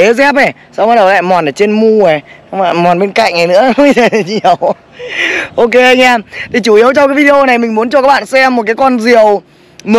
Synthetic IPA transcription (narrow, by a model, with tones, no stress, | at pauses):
e˨˦zɛ˦˥p̚ʔa˨˩ | sa˧wŋ͡mha˦˥ɗla̰ː˧˨mɔ˨˩nəː˨˩t͡ɕe˧nmu˧ə˨˩˧wŋ͡ma˧˨˩mɔ˨˩nɓe˧nka̰˧˨jŋ̟ʔa˨˩jnɨ̰˧˥ə˧˦e˨˩˨ɲi˧˨˩ə˨˩w | ʔo˧ke˧ʔa˧jŋaː˧t̪ʰi˨˩t͡ɕu˧˩ʔi˨˦əwt͡ɕɔ˧ŋ͡mkaː˨˦jvi˧e˧ʔo˧na˨˩jmï˨˩ŋ̟mu˦nt͡ɕɔ˧˨˩kaː˦˥kɓa̰ː˧˨sɛ˧mːo˨˩t̚kaː˨˦kɔ˧nzi˨˩əw | mə˨